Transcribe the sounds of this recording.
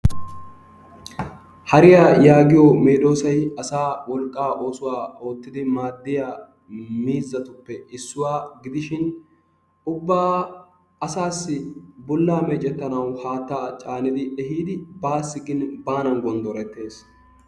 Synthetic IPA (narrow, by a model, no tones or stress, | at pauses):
hɐɾɪjaːjaːɡɪjɔmeːᶑo̞ːsɐjɐsaːwɔlkʼːaːʔo̞ːsʊwaːo̞ːt̪ːɪd̪ɪmaːd̪ːɪjaː | miːzːɐt̪ʊpːɛɪsːʊwaːɡɪd̪ɪʃɪn | ʊbːaː | ɐsaːsːɪbʊlːaːmɛt͡ʃʼɛt̪ːɐnɐwhaːt̪ːaːt͡ʃʼaːnɪd̪ɪʔɛhiːd̪ɪbaːsːɪɡɪnbaːnɐnɡɔnd̪ɔɾɛt̪ːe̞ːs